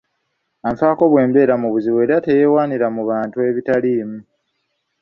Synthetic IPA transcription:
aɱfaːko̞βwe̞ːmbe̞ːɾamuβuziβwe̞ːɾate̞je̞ːwaːniɾamuβaːntue̞βitaliːmu

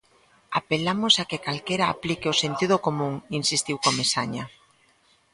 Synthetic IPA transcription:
apelamosakekalkeɾa̰ːplikeosent̪ið̞ʊkomũŋinsist̪iwkomesaɲa

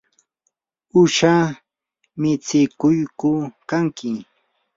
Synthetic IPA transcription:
ʊʃa | mɪt͡sɪkʊjkʊkaŋkʰɪ

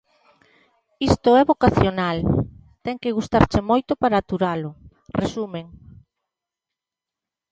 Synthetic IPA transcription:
ist̪ʊɛβokaθjonalt̪ɛŋkeɣust̪aɾt͡ʃemojt̪ʊpaɾaːt̪uɾalʊ | resumeŋ

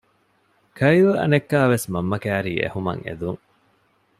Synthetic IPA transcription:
kʰɐjʋɐɐ̰nekːaːʋesmɐmːɐkæːɾiːʔḛhumɐ̰ŋḛd̪uŋ

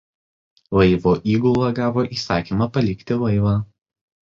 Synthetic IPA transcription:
lɐɪʋoːʔiːɡɔʊlˠɐɡɑːʋoːʔiːsɑːkʲiːmɐpɐlʲɪkt̪ʲɪlɐɪʋɑː

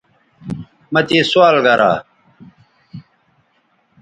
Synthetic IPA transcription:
mɐt̪iːswaːlɡɐɾʔa̰ː

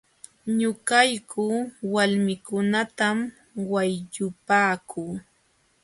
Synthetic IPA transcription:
ɲʊkajkʰuːwalmɪkʊnat̪am | wajʎʊpaːkʰuː

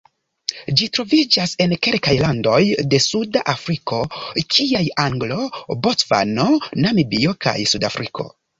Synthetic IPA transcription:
d͡ʒitɾo̞vid͡ʒase̞nke̞lkajlando̞jde̞sudaʔafɾiko̞kʰiajaŋɡlo̞botva̰no̞namibio̞ka̰jsudafɾʔikʰo̞̰

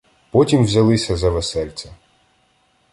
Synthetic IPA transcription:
pɔtʲimwzʲɐlˠɪsʲɐzɐʋesɛlʲt͡sʲɐ

